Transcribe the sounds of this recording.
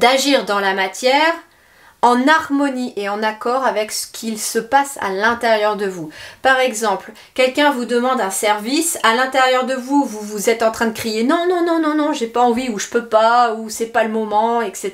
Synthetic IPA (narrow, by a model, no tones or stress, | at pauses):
d̪̥aʒiʁd̪ɑ̃lamat̪jɛʁ | ɑ̃naʁmɔniʔeɑ̃nakɔʁavɛksə̥kʲʰilsəpasa̰lɛ̃t̪eʁjœʁd̪əvupaʁɛɡzɑ̃pl | kʲɛlkʲɛ̃vud̪əmɑ̃d̪ɛ̃sɛʁvisalɛ̃t̪eʁjœʁd̪əvuvuvuzɛt̪ɑ̃t̪χɛ̃d̪əkχijenɔ̃nɔ̃nɔ̃nɔ̃nɔ̃ʒepaɑ̃viuʒəpøpausɛpaləmɔmɑ̃ɛkse